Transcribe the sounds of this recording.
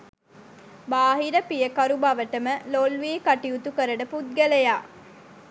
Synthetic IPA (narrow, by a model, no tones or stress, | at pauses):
baːɦiɾəpijəkɐɾubaʋəʈəməlolʋiːkaʈiut̪ukəɾəɖəput̪̚ɡelejaː